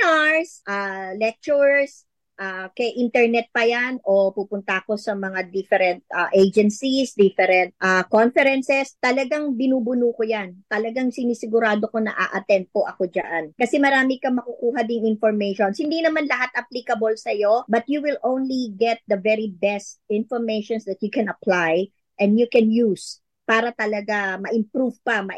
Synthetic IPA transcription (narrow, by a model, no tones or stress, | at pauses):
aɹsʔalɛk̚t͡ʃuɹs | ʔakɛʔint̪ɛɹnɛt̪̚pɐjanʔo̞pupʊnt̪ɐko̞sɐmɐŋad̪ɪfɛɾɛnt̪̚ʔaʔejd͡ʒɛnsisd̪ifɛɾɛnt̪̚ʔakonfɛɾɛnsɛst̪ɐlɐɡaŋbɪnuːbʊnuːkojant̪ɐlɐɡaŋsɪnisɪɡʊɾaːd̪o̞ko̞nɐ̰ʔa̰ʔɐt̪ɛnt̪̚po̞ʔɐko̞d͡ʒa̰ʔankɐsɛmɐɾaːmɪkɐmɐkukuːɦɐd̪ɪŋɪnfoɹmɛjʃonshɪnd̪inɐmanlɐɦat̪ʔɐplikɐbolsɐjo̞bɐt̪̚juwɪlʔõwnliɡɛt̪̚d̪ɐvɛɾibɛst̪̚ɪ̃nfoɹmejʃonsd̪ɐt̪̚jukɛ̃nɐplaj | ʔɛ̃nd̪jukɛnjus | paːɾɐt̪ɐlɐɡamɐʔɪmpɾuvpɐmɐ